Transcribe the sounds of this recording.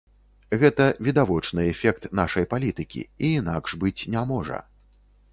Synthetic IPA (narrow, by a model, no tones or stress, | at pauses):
ɣɛt̪ɐvʲid̪avɔt͡ʂnɨɛfʲɛk̚t̪naʂɐjpalʲit̪ɨkʲḭiːnakʂbɨt͡sʲnʲamɔʐɐ̰